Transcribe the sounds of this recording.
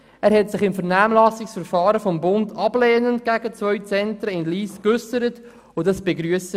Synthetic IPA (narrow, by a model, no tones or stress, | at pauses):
æːɾhɛtsɪχɪmfəɾnæːmlɑsɪksfəɾfɑːɾəfɔmbʊndɑb̥leːnəntɡ̥æɡət͡svœʏt͡sɛntɾəɪnliːskʏsəɾət | ʊdɑsb̥eɡɾyəsə